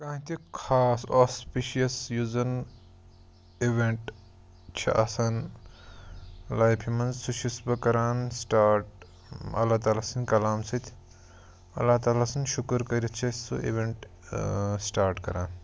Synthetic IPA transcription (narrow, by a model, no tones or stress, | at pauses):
kãːĩt̪ʰikʰaːsoːspiʃijɐsjuzɐn | iʋeɳʈ | t͡ʃʰɐ̰ʔɐsɐn | laːjpʰimɐnzsuʃʰisbɐkɐɾaːnsʈaːɾʈ | ɐ̰lːaːt̪aːlaːsɐnʲkɐlaːmsɐt̪ʰʲ | ɐ̰lːat̪aːlaːsɐnʃukɾkɐɾʲɐt͡ʃʰɐsṵḭʋeɳʈ | sʈaːɾʈkɐɾaːn